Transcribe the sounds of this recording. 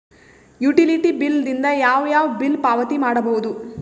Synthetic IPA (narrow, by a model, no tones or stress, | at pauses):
juʈiliʈibilːd̪ind̪ɐjaːʋjaːʋɐbilpaːʋɐt̪imaːɽɐbɐwud̪u